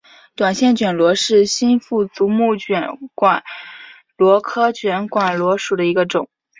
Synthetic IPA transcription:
t̪wa˨˩nɕjɛ˥˩nt͡ɕɥɛ˨˩nlwɔ˧˥ʂɻ̩˥˩ɕi˥nfu˥˩t͡su˧˥mu˥˩t͡ɕɥɛ˨˧˩nkwa˨˩˦n | lwɔ˧˥kʰɤ˥t͡ɕʰɥɛ˧˥nkwa˨˩nlwɔ˧˥ʂu˨˩d̪ə˦i˧˥ɡə˧ʈ͡ʂʊ˨˩˦ŋ

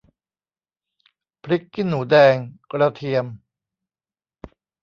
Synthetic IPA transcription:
pʰɾi˦˥kːi˥˩nːuː˩˦dɛː˧ŋkɾa˧t̪ʰi˧əm

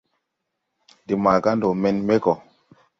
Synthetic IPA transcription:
di˨ma˨ka˦ndo˨mɛ˨nme˦kɔ˨

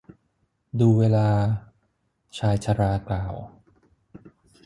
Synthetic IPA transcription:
duː˧weː˧laː˧ | t͡ɕʰaː˧jt͡ɕʰa˧ɾaː˧klaː˨˩w

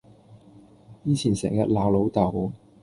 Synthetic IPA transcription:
jiː˨˥t͡ɕʰiː˨˩nsɛ̰ː˨˩ŋjɐ˧t̚laː˨˧wlo˨˥wt̪ɐ˨˩w

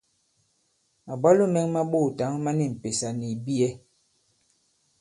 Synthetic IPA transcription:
a˨bɔ˦lo˦mɛ˦ŋma˦ɓo˦˨ta˨˦ŋma˦ni˦˨m̩˨pe˨sa˨ni˨bi˦ɛ˦

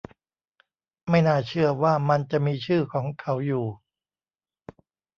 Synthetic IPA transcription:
ma˥˩jnaː˥˩t͡ɕʰɯ˥˩ɐwaː˥˩ma˧nt͡ɕa˨˩miː˧t͡ɕʰɯː˥˩kʰɔː˩˦ŋkʰa˩˦wjuː˨˩

